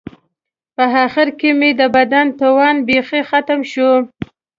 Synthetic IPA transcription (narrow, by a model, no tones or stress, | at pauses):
pəɦɑxɪɾkemed̪əbad̪ant̪awɑnbexexat̪əmʃu